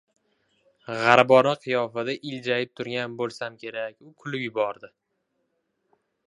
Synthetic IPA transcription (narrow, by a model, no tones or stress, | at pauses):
ʁaɾbɒnɪqʰɨjɒfad̪aʔɪld͡ʒajɪp̚t̪ʰʊɾɡʲanbolˠsamkʲʰe̞ɾakʲʊkʰʊlɪpjʊbɒɾd̪ɪ